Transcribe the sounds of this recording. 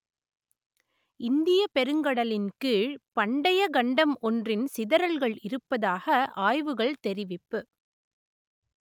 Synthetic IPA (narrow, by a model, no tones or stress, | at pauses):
ɪnd̪ɪjɐpɛɾɯŋɡɐɽɐlɪnkiɻpɐɳɖɐjɐɡɐɳɖɐmɔndrɪnsɪðɐɾɐlɣɐɭɪɾɯpːɐðaːɣɐʔaːjʋɯɣɐɭt̪ɛɾɪʋɪpːɯ